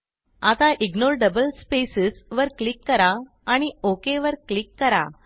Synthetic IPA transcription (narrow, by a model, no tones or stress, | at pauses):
at̪aʔiɡnoɾɖəbəlspesisʋəɾklikːəɾaː | ɽ̃iokeʋəɾklikːəɾa̰